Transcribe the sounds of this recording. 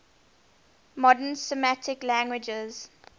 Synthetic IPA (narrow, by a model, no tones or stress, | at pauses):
mɔdənsəmætʰɪklæ̃ŋɡwɪd͡ʒəz̥